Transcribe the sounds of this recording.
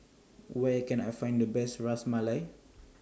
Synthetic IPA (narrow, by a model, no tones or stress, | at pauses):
wɛkɛ̃na̰jfãj̃ndəbɛstɹasmalaj